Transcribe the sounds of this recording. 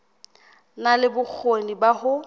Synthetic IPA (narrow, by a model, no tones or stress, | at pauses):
nalɪbʊk͡xʰonibahʊ